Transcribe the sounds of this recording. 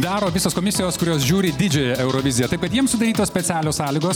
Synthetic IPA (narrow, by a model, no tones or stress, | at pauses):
d̪ɑːɾoːʋʲɪsoːskoːmʲɪsʲɪjoːskʊɾʲoːsʒʲuːɾʲɪd̪ʲɪd͡ʒʲoːjɛɛʊɾoːʋʲɪzʲɪjɛt̪ɐɪpkɐt̪jiɛmsʊd̪ɐɾʲiːt̪oːsʲpʲɛsʲæːlʲoːsɑːlʲɪːɡoːs